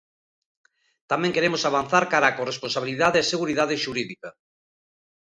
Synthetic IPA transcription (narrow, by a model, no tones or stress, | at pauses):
t̪amẽŋkeɾemosaβ̞an̟θaɾkaɾaːkoresponsaβ̞iliðaðeeseɣuɾiðað̞eʃuɾiðika